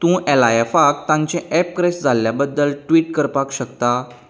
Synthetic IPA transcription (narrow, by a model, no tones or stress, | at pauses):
t̪ũːʔɛlajefakt̪ãɲt͡ɕẽʔɛp̚kɾesʈd͡zʱaljabəd̪ːəlʈʋiːʈkəɾpakɕəkt̪a